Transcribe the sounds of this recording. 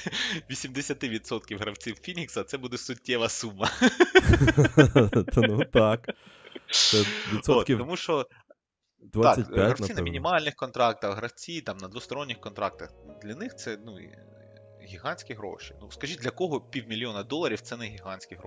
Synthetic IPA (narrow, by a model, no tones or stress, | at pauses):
ʋʲisʲimd̪esʲɐt̪ɪʋʲit̪sɔt̪kʲiwɦɾɐwt͡sʲiwfʲinʲiksɐt̪sɛbud̪ɛsʊtʲːɛʋɐsumːɐ | nut̪ɑk̪ | ɛʋʲisɔot̪kʲit̪ɔmuʃt͡ʃɔ | d̪ʋat̪ɑkʲsʲɐtʲjɦaɾɐwnʲinɐinʲimɑlʲnɪxkɔnt̪ɾɑk̚t̪ɐxɦɾɐwt͡sʲit̪ɑmnɐd̪ʋʊst̪ɔɾɔnʲːɪxkɔnt̪ɾɑk̚t̪ɐxd̪lʲɐnɪxt̪sɛnṵ | ɣʲiɦɑnʲsʲkʲiɦɾo̰ʃi̥nuskɐʒit̚ʲdʲlʲɐkɔɦɔpʲiwmʲilʲjɔnɐd̪ɔlˠːɐɾʲiwt̪sɛnɛɦʲiɦɑnʲsʲkʲiɦɾo̰